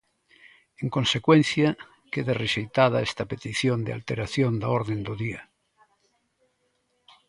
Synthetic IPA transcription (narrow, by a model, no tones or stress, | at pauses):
eŋkonsekwen̟θja | keðereʃejt̪aðaest̪apet̪iθjond̪ea̰lt̪eɾaθjond̪aoɾðend̪oðia